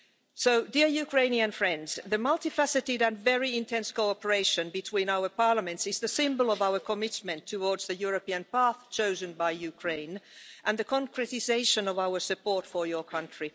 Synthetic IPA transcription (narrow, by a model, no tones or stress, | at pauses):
soʊdiɹjʉkʰɹ̥ẽɪ̃niɨ̃nfɹɛ̃ndz̥ðɨmʌlˠtiflæsɨtɪɾɨ̃nvɛɹiɪ̃ntʰɛ̃nskoʊɑpə˞eɪʃɨ̃nbɨtʰw̥ĩːnaʊə˞pɑɹləmɨ̃ntsɨzðɨsɪ̃mbəl̩ˠʌvaʊə˞kʰəmɪtmɨ̃ntʰɨwɔɹdz̥ðɨjʊɹɨpiɨ̃npæθt͡ʃʰoʊzɨ̃nbaɪjʉkʰɹ̥ẽɪ̃nʔɨ̃nðɨkʰɑ̃ŋkʰɹɛtɪzeɪʃɨ̃nʌvaʊə˞sɨpɔɹtfə˞jə˞kʰʌ̃ntɹ̥i